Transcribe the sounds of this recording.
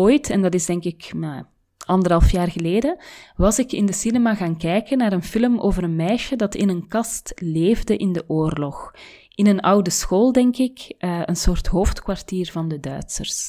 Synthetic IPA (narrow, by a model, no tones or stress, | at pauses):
oːjtɛndɑtɪzdɛŋkɪkna | ɑndəɾɦɑlˠfjaːrɣəleːdəwɑzɪkɪ̰ndəsinɛmaːɣaːnkɛjkənaːɾənfɪləmoːvəɾənmɛjʃədɑtɪ̰nənkɑstleːvdəʔɪndəʔoːrlɔx | ʔɪnənʌwdəsxoːlˠdɛŋkɪkʔəənsoːrtɦoːftkwartiːrvɑndədœ̰ɥtsə̰rs